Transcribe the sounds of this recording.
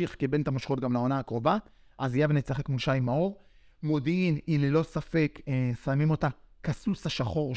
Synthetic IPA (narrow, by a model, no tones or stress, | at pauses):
iχkebent̪amaʃχot̪ɡamlao̞naːkʁo̞va | ʔazijavenet͡saχe̞kmulʃaimaoʁ | mo̞dinimlelo̞safe̞ksamimo̞takasusaʃaχo̞ʁ